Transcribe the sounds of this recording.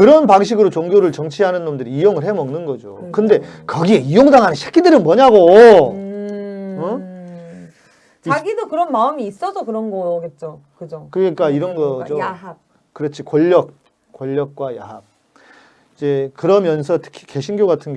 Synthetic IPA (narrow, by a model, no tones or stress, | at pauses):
kɯɾʌnpaŋɕ̬ʰiɡɯɾot͡ɕoŋɡjoɾɯɭt͡ɕʌŋt͡ɕʰiɦanɯnːomndɯɾiijoŋɯɭɦe̞mʌŋnɯnɡʌd͡ʑo̰kɯnde̞kʌɡie̞ijoŋdaŋɦaneɕʰe̥kɡ͈ʰidɯɾɯnmwʌɲaɡo | ʌ | t͡ɕaɡidokɯɾʌnmaɯmiːs͈ʌsʰʌkɯɾʌnɡʌɡe̞t̚t͡ɕ͈okɯd͡ʑokɯɡik͈aiɾʌnɡʌd͡ʑo | kɯɾʌt͡ɕʰikoʎːʌk̚ | k͈oʎːʌk̚k͈wajap̚ | id͡ʑe̞kɯɾʌmjʌns̬ʰʌtʰɯ̥kʰi̥ke̞ɕʰinɡjoɡatʰɯnɡ